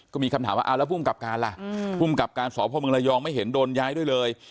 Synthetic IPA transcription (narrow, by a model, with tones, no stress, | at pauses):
kɔː˥˩miː˧kʰa˧mt̪ʰaː˩˦waː˥˧ʔa˧lɛ˦˥pʰu˥˩˨mka˨˩p̚kaː˧nla̰˨˩ʔpʰuː˥˩mka˨˩p̚kaː˧nsɔː˨˦pʰɔː˧˦mɯ˧ŋla˧jɔː˧ŋma˥˩jɦe˩˦ndoː˧njaː˦˥jdu˥˩əjlɤː˧j